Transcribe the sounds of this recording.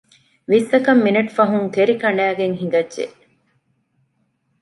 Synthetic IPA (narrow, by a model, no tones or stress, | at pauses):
ʋiːsɐkɐmːinɐʈfɐɦuŋk̪eɾikɐɳæːɡeŋɦiŋ̆ɡɐdʒḛʔ